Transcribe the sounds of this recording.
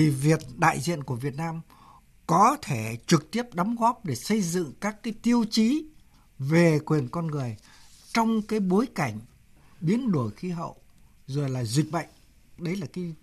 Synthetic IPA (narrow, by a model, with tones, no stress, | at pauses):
i˨˩vi˨˩ət̚ɗa̰ː˧˨jzḭ˧˨ənku˧˩əvi˨˩ət̚naː˧m | kɔ˨˦t̪ʰe˧˩t͡ɕɨ˨˩k̚t̪i˦˥əp̚ɗa˨˦mɣɔ˦˥p̚ɗe˧˩sə˧jzɨ̰˧˨ŋkaː˦˥kːaː˨˦jt̪i˧əwt͡ɕi˨˦ | ve˨˩kwi˨˩ənkɔ˧nŋɨ˨˩əj | t͡ɕɔ˧wŋ͡mkaː˨˦jɓo˨˦jka˧˩jŋ̟ | ɓi˨˦ənɗo˧˩jxi˨˦ɦə̰˧˨w | zo˨˩jlaː˨˩zwi˨˩k̚ɓə̰˧˨jŋ̟ | ɗə˨˦jlaː˨˩kaː˨˦j